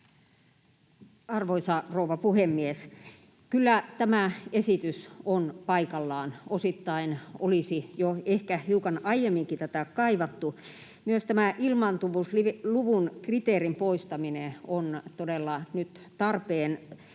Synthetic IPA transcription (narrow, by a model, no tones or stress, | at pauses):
ɑrʋoisɑrouʋɑpuhemːies | kylːæt̪æmæesit̪ysonpɑikɑlːɑːnosit̪ːɑinolisijoehkæhiukɑnɑijemːiŋkit̪æt̪ækɑiʋɑt̪ːu | myøst̪æmæʔilmɑnt̪uʋusliʋluʋunkrit̪eːrimpoist̪ɑmineont̪odelːɑnyt̪ | t̪ɑrpeːn